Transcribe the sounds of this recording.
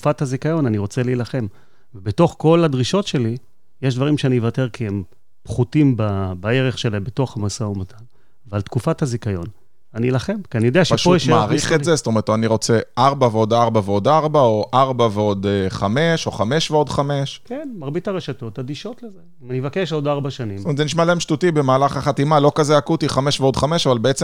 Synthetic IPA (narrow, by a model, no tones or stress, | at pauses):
tku̥fathazikajo̞naniʁo̞t͡seleilaχe̞m | vebeto̞χko̞lad̪ʁiʃo̞tʃe̞li | jeʃ̬d̪vaʁimʃeanivateʁkʰiem | pχutimbabae̞ʁeχʃelebeto̞χhamasaumat̪ʰan | vealt̪kufathazikajo̞̰n | anilaχe̞mkianijo̞d̪eaʃeʃpojeʃmaaʁiχezest̪omeʁetoaniʁo̞t͡seʔaʁbaveo̞daʁbaveo̞daʁbao̞ʔaʁbaveo̞d̪χame̞ʃo̞χame̞ʃveo̞d̪χame̞ʃkenmaʁbitaʁeʃato̞tad̪iʃo̞tlezeimanivakeʃodaʁbaʃanismometzeniʃmaleemʃtutibe̞maːlaχaχat̪imalo̞kazeakutiχame̞ʃveo̞dχame̞ʃavalbeet͡se